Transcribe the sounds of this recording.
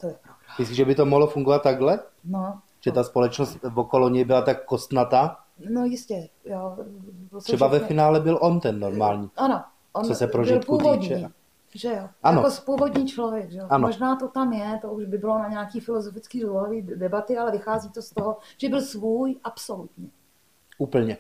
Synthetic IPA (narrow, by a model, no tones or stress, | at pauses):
t̪ojɛpɾov̥mɪsɪʒɛbɪt̪omoɦlofuŋɡovat̪ːaɡlɛno | ʒ̥ɛt̪aspolɛt͡ʃnost̪vokoloɲɛjbɪlat̪akːost̪nat̪a | nojɪscɛjo | osɛbavɛɪnaːlɛbɪlʔont̪ɛnːoɾmaːlɲiːʔano | ʔonsosɛppɾoʒɪlpuːvod̪t͡ʃɲɛiː | ʒɛjoʔaanokospuːvod̪ɲiːt͡ʃlovjɛɡʒɛjoanmoʒnaːt̪ot̪amjɛt̪ouʒbɪbɪlo̞naɲaakiːfɪlozofɪt͡skiːdluɦoviːdɛbat̪ɪalɛvɪxaːziːt̪ost̪oɦoʒ̥ɛbɪlsvuːjʔapsolut̪ɲɛ | ʔuːpl̩ɲɛ